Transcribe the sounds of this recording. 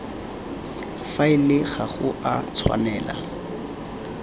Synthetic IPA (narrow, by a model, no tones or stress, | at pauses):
faɪlɪχaχʊʔat͡sʰwa̰nɛːla̰